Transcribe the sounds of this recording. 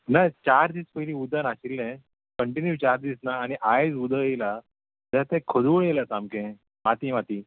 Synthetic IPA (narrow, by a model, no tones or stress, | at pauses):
nat͡ɕaɾd̪iːspəjlĩud̪ənaɕilːɛ̃ | kəɳʈinjut͡ɕaɾd̪iːsnaːñiʔajd͡zud̪əjela | d͡zaat̪ɛ̃kʰəd̪uɭjelasamkɛ̃ | mat̪imat̪iː